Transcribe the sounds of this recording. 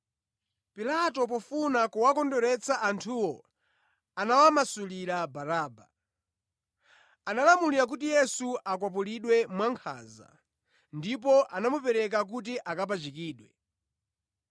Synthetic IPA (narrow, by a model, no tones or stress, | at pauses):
pilatɔp̬ɔfunakuwakɔndɔɾɛt͡saʔantʰuwɔ | anawamasuliɾabaɾaːba | analamuliɾak̬utijɛsuʔak̬wap̬uliɗwɛmwaŋkʰa̰za̰ | ndip̬ɔʔanamupɛɾɛk̬ak̬ut̬iʔakap̬at͡ʃikiːɗwɛ